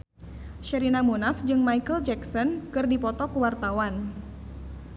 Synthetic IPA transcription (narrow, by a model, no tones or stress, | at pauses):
ʃɛɾinamunafd͡ʒɨŋmajkəld͡ʒɛksɔnkɨrdipɔt̪ɔkuwart̪awan